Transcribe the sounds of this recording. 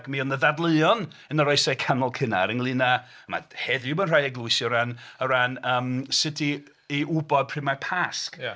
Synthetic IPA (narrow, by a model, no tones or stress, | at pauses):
kmiɔnəðadlˠəɨɔn | ənəɾɔɨsɛkʰanɔlˠkʰɪna̰ɾənlˠɨna | ma̰hɛðjʊbənr̥ajɛɡlˠʊɨsjɔɾanəɾanəːmsɪtʰiː | ʊbɔd̚pʰr̥ɪmapʰask